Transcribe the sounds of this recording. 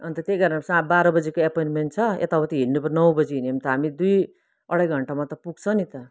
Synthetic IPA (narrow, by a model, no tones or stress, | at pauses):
ʌnt̪ʌt̪eɡʌɾnasabaɾʌbʌd͡zekoepojnment͡sʰʌḛt̪abʌt̪iɦinnupʌnʌwbʌd͡ziɦiniʌmt̪ʌɦamid̪uj | ʌɽʌjɡʱʌɳʈamat̪ʌpuɡ̚t͡sʰʌnit̪ʌ